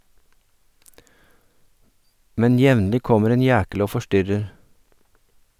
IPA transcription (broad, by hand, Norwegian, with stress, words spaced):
ˈmɛn ˈjɛʋnlɪ ˈkɔməɾ ˈeːn ˈjæːkəl ˈoː fɔˈʃtʏɾəɾ